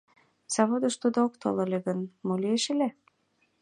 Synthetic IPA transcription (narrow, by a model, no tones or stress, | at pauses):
sɑβod̪ɤ̆ʃt̪ud̪ookt̪o̰lɤ̆lʲeɣə̆nmolieʃĕlʲæ